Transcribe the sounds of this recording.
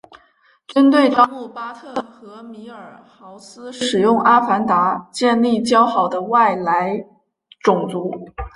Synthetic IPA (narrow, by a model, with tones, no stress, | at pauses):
ʈ͡ʂə˥nt̪̬we˥˩ɪʈ͡ʂɑ˥mu˥˩pa˥t̪ʰɤ˥˩xɤ˧˥mi˧˥ə˞˨˩xɑ˧˥ʊsɹ̩˥ʂɻ̩˨˩jʊ˥˩ŋʔa˥fa˧˥nt̪a˧˥t͡ɕjɛ˥˧nli˥˩t͡ɕjɑ˥ʊxɑ˨˩ʊd̪ə˦wa˥˩ɪla˧˥ɪ | ʈ͡ʂʊ˨˩ŋt͡su˧˥